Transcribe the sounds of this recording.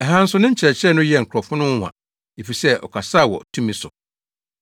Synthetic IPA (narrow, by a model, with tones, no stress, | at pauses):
ɛ˨ɦã˦n̩˦sʊ˦nɪ̃˦ɲ̩˦t͡ɕʰɛ˨ɛ˨t͡ɕʰɾɛ˦˨nʊ̃˦jɛ˦˨ŋ̩˨kʰɾɔ˨fʊ˦nʊ̃˦ŋ̩˦hʷã̰˨ | e˨fi˨sɛ˦ʔɔ̰˨kʰa˨sa˦˨wɔ̰˨tʰũ˦mĩ˦sʊ̰˨